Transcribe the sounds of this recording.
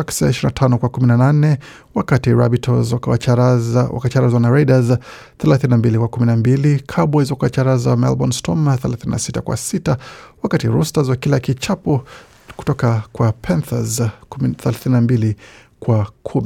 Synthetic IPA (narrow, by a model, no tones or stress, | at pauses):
aksaaiʃiɾinatʰanɔkwakuminananɛ | wakatiɾa̰bitʰɔzawa | wa̰kat͡ʃaɾazwanaɾaidaz | θɛlaθininambilikwakuminambilikʰaɓwaizɔkaat͡ʃaɾazawamɛ̰lbɔnstʰɔmaθɛlaθininʔa̰sitakwa̰sitawakatiɾustazwakilakit͡ʃapɔ | ku̥tɔkakwapʰɛnθazθɛlaθininambili | kwakʰumi